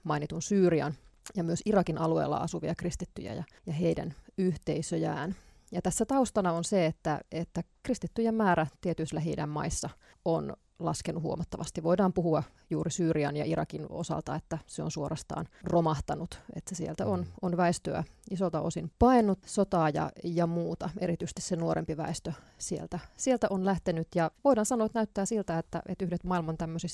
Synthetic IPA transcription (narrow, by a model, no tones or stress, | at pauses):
mɑinit̪unsyːriɑ̰njɑmyøsirɑkinʔɑluḛːlːɑ̰ɑ̰suʋiɑkrist̪it̪ːyjæ̰jɑ̰ | jɑɦeidæ̰nyht̪eisøjæ̰ːn | jɑt̪æsːæt̪ɑust̪ɑnɑonseet̪ːæet̪ːækrist̪it̪ːyjemmæːɾæt̪iet̪yislæɦeidæmmɑ̰isːɑ | on | lɑ̰skenːuhuomɑt̪ːɑʋɑst̪iʋoidɑːmpuhuɑ | juːɾisyːriɑ̰njɑ̰ʔirɑ̰kino̰sɑ̰lt̪ɑ̰et̪ːæseo̰nsuorʔɑst̪ɑ̰ːnromɑht̪ɑnut̪et̪sesiḛlt̪æononʋæest̪øæ̰isolt̪ɑʔosinpɑinːut̪sot̪ɑːjɑ̰jɑmuːt̪ɑeɾit̪yst̪issenuoɾʔḛmpiʋæ̰est̪øsiḛlt̪æsielt̪æʔonlæht̪enyt̪jɑʋoidɑːnsɑnoːet̪næyt̪ːæːsilt̪æet̪ːæ̰ʔet̪yhdet̪mɑilmɑnt̪æmːøsis